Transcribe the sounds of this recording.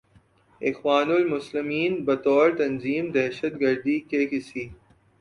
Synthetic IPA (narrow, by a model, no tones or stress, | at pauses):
ɪ̰xwaːnʊlmʊslɪmiːnbɐt̪ɔːɾt̪ɐnziːmd̪ɛɦʃət̪ɡɐɾd̪ikeːkɪsiː